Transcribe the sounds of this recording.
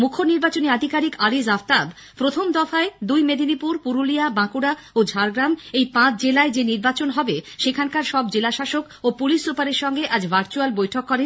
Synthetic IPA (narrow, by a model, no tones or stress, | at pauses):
mukʰːoniɾbat͡ɕoniad̪ʱikaɾikaɾizaft̪ab | pɾot̪ʰomd̪ɔfaed̪ujmed̪ʱinipuɾpuɾuliabãkuɽa | od͡ʑʱaɾɡɾamejpãt͡ɕd͡ʑelaed͡ʑeniɾbat͡ɕonɦɔbeʃekʰankaɾʃɔbd͡ʑelaʃaʃok | opulisɾupaɾeɾʃɔŋɡeʔad͡ʑbʱaɾt͡ɕualbojʈʰokːɔɾen